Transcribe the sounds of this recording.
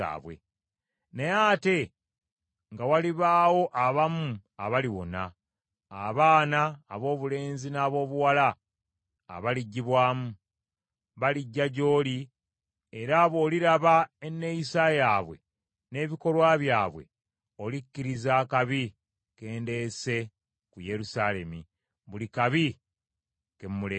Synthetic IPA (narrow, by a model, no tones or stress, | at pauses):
a̰ːβwḛ | ne̞aːte̞ | ŋɡawaliβaːwo̞ʔaβamua̰βaliwo̞̰na̰ː | βaːnaːβo̞ːβule̞ːnzinaːβo̞ːβuwala̰ː | βaliɟːiβwaːmu | βaliɟːaɟo̞ːli | eɾaːβo̞ːliɾaβaenːe̞jisajaːβwe̞̰ | ne̞ːβiko̞lwaːβjaːβwe̞̰ | o̞likːiɾizaːkaβi | ke̞ːnde̞se̞ | kuje̞ɾusaːle̞mi | βulikaβi | kemmuleː